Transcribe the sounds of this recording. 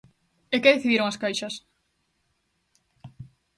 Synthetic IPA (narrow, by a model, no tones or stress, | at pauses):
ekeðeθiðiɾoŋaskajʃɐs